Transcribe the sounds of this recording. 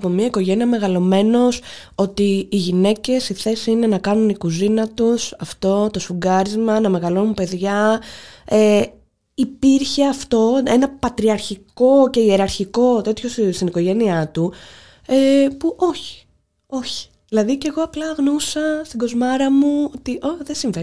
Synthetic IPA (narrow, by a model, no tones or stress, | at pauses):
pomiɐiko̞ʝe̞niɐme̞ɣɐlo̞me̞no̞s | o̞t̪iːʝine̞ce̞siθe̞siine̞nɐkɐnunikuzinɐt̪usɐft̪o̞t̪o̞sfuɡɐɾizmɐnɐme̞ɣɐlo̞nunpe̞ðʝɐ | e | ipiɾçe̞ɐft̪o̞e̞nɐpɐt̪ɾiɐɾçiko̞ce̞ie̞ɾɐɾçiko̞t̪e̞t̪ço̞sst̪iniko̞ʝe̞niɐt̪u | epuʔo̞çi̥ | o̞çi̥ | ðilɐðice̞ɣo̞ɐplɐɣnousɐst̪iɡo̞zmɐɾɐmuot̪iʔoðesiɱve